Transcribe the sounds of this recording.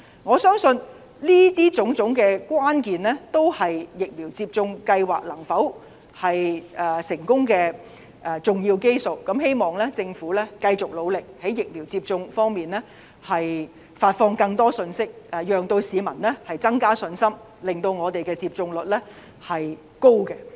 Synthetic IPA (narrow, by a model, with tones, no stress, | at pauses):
ŋɔː˨˧sœː˥ŋsɵ˧n | liː˥t̪iː˥t͡sʊ˨˥ŋt͡sʊ˨˥ŋkɛː˧kwaː˥nkiː˨nlɛ˥t̪o˥whɐ˨jːɪ˨k̚miː˨˩wt͡siː˧p̚t͡sʊ˧ŋkɐ˧jwaː˨k̚lɐ˨˩ŋfɐ˨˥w | hɐ˨jɛː˨sɪ˨˩ŋkʊ˥ŋkɛː˧ | ʔɛ˨t͡sʊ˨ŋjiː˧wke˥jso˨wkɐ˨˥mhe˥jmɔː˨ŋlɛː˥t͡sɪ˧ŋfuː˨˥lɛː˥kɐ˧jt͡sʊ˨k̚lo˨˧wlɪ˨k̚hɐ˨˥jɪ˨k̚miː˨˩wt͡siː˧p̚t͡sʊ˧ŋfɔː˥ŋmiː˨nlɛː˥ | hɐ˨j | faː˧t̚fɔː˧ŋkɐ˧ŋt̪ɔː˥sɵ˧nsɪ˥k̚ːjœː˨˩ŋt̪o˧wsiː˨˧mɐ˨˩nlɛː˥hɐ˨jt͡sɐ˥ŋkaː˥sɵ˧nsɐ˥m | lɪ˨˩ŋt̪o˧wŋɔː˨˧t̪e˨jkɛː˧t͡siː˧p̚t͡sʊ˧ŋlɵ˨t̚lɛː˥ | hɐ˨j | ko˥wkɛ˧